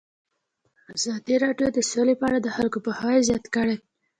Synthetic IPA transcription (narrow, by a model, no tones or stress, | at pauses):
azɑd̪iɾɑɖjod̪əsolepəaɽad̪əxalkopəhɑjezjɑt̪kəɽe